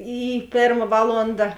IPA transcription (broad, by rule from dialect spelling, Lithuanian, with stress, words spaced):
ˈiː ˈpʲeːrmɐ ˈʋɑːlˠoːndɐ